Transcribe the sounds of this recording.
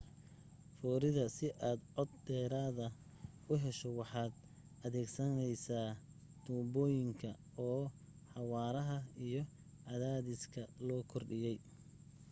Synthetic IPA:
fɔːɾɪðɐsɪʔaːd̪ʕɔd̪d̪ɛːɾaːðɐ | ʊɦɛʃɔwɑħɑːd̪̚ | ɐðɛːɡsɐnɛjsaː | d̪̥uːbɔːjɪŋkʰɐ | ɔː | ħɑwɑːɾɐɦɐijɞ | ʕɑðaːðɪskʰɐlɔːkʰɔrɖɪjɛj

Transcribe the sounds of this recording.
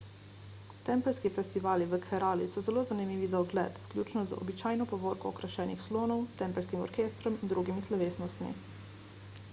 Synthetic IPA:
t̪ɛːmpɛlskifɛst̪iʋaːliʋəkʰɛɾaːlḭsɔzɛloːzanimiːʋizaɔɡlɛ̰ːt̪wklʲuːt͡ʃnɔzəɔ̰bit͡ʃaːjnɔpɔʋoːɾkɔɔkɾaʃɛːnixsloːnɔwt̪ɛmpɛlskimɔ̰ɾkeːst̪ɾɔmind̪ɾuɡimislɔʋeːsnɔst̪mḭ

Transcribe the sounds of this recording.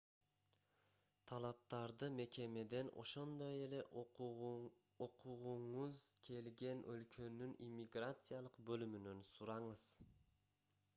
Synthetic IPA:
t̪ʰɑlˠɑp̚t̪ɑɾd̪ɯme̞ke̞me̞d̪e̞no̞̰ʃo̞nd̪o̞je̞le̞ʔ | oqʰuʁuɴuzkʰe̞lɡe̞nʔølkʰø̞nynimʲːiɡrat̪sɨjalˠɯqbø̞lymynønsuɾɑɴɯz̥

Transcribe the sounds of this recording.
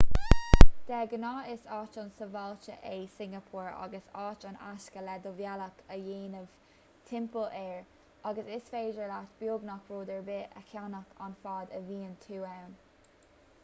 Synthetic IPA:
d̪̥ɛɡənɑːɪsɑːt͡ʃɑnsəvɑlt͡ʃə̰ʔesɪŋɡəpʰuːɹɑ̰ɡəsɑːt͡ʃɑna̰ʃkəlɛd̪ovjaləkʰəjeːnəv̥ | t̪ʰɪmpəlʔɛːɹ | ɑɡəsɪsfeːdəɹlat̪b̥juːɡnakɹoːd̪əɹbɪʔə̰kʰjanəkʰanfɑːd̪əviːənt̪ʰuːɛwn

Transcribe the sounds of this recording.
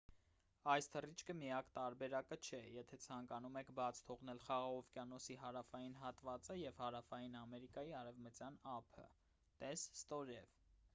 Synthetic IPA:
ɑjst̪ʰərit͡ʃʰkəmijɑkt̪ɑɾbɛɾɑkət͡ʃʰɛjɛt̪ʰɛt͡sʰɑŋkɑnumɛkʰbɑt͡sʰt̪ʰɔʁnɛlχɑʁɑʁɔvkjɑnɔsiɦɑɾɑfɑjinɦɑt̪vɑt͡səjɛvhɑɾɑfɑjinɑmɛɾikɑjiɑɾɛvmət͡sjɑnɑpʰə̰ | t̪ɛsːt̪ɔɾɛv

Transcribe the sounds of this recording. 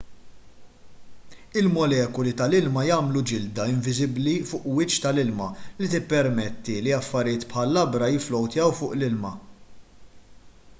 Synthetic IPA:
ɪlmɔlɛːkʊlit̪ɐlɪlmɐjɐːmlud͡ʒɪld̪ɐɪɱvɪzɪblifʊːʔwɪt͡ʃt̪ɐlɪlmɐlit̪ɪpːɛɾmɛt̪ːiliɐfːɐɾɪjɪːt̪pħɐlːɐbɾɐjɪflɔwt̪ɪɐwfʊːʔlɪlmɐ

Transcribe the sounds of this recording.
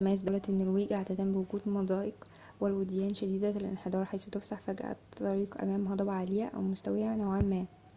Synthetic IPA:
mæːs̬d̪ælæt̪ʔenːɪlwiːɡʔaʕt̪æt̪æmbewoɡuːd̪mɑd̪ˤɑːʔeq | welwed̪jæːnʃæd̪iːd̪æelʔḛnħed̪ˤɑːɾˤħajsut̪efsaħfæɡæ̰ʔæ̰t̪t̪ːɑɾiːqʔæ̰mæːmɦɑd̪ˤɑbʕaːlejæʔæ̰wmost̪æwejænæwʕamːæː

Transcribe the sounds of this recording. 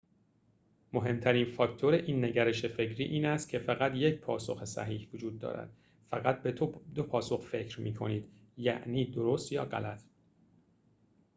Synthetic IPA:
mo̞ɦe̞mt̪ʰæɾiːnfɒːkt̪ʰoɾeʔiːnːe̞ɟæɾeʃe̞fe̞cʰɾiːʔiːnæst̪̚cʰe̞fæɣæt̪jecʰpʰɒːso̞xesæ̰ɦiːhvod͡ʒuːd̪̚ːɒ̰ːɾæ̰d̪̥ | fæɣæt̪̚bed̪opʰɒːso̞xfe̞cʰɾmiːkʰo̞̰niːd̪̥jæ̰ʔniːd̪oɾost̪jɒ̰ːɢæ̰læt̪ʰ

